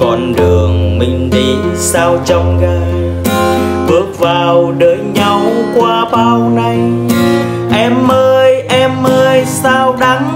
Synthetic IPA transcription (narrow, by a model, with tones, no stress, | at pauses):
kɔ˧˩nɗɨ˨˩əŋmï˨˧˩ŋ̟ɗi˨˦saː˧wt͡ɕɔ˧wŋ͡mɣaː˧˩j | ɓɨ˦˥ək̚vaː˨˩wɗəː˨˦jɲa˧wkwaː˧ɓaː˧wna˨˧˩j | ʔɛ˧mʔəː˧jʔɛ˧mʔəː˧jsaː˧wɗa˨˦ŋ